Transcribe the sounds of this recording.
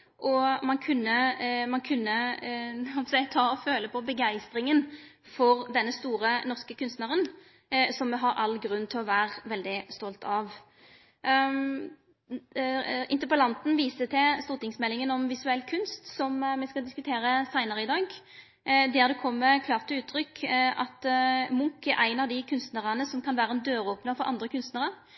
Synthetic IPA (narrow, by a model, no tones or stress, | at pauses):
ʔɔmɑnkʰʉnːəmɑnkʰʉnːə | ɑpsɛɪt̪ʰɑːɔføːləpʰɔbəɡæɪst̪ʁɪŋən | fɔʁd̪ɛnːəst̪uːʁənɔʁskəkʰʉnst̪nəʁən | sɔmːɛɦɑɾɑlːɡɾʉnːt̪ʰɪlɔʋæːʁʋɛld̪ɪst̪ɔlt̪ʰɑʋ | ɪ̰nt̪əpəlɑnt̪n̩ʋiːsət̪ʰɛst̪uːɾt̪ɪŋsmɛlːɪŋənɔmʋɪsʉɛlːkʰʉnst̪sɔmmɛskɑd̪ɪskʉt̪ʰeːɾəsæɪnəʁəɪd̪ɑːɡ | d̪æːʁd̪ɛkʰɔmːəkʰlɑːʁt̪əʉːt̪ʰːɾʏkɑt̪mʊŋkæɾʔæɪnɑʋd̪ɪkʰʉnst̪nəʁənəsɔmkʰɑnʋæːɾəɛnd̪øːɾoːpnɑfɔɾʔɑ̰nd̪ʁəkʰʉnst̪nəʁəʁ